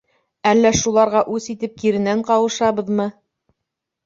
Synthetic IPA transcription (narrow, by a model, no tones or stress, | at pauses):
ælːæʃulˠɑɾʁɑʔʉsit̪ɘp̚kiɾɘ̆næɴqɑwɤ̆ʃɑβɤ̆ðmɤ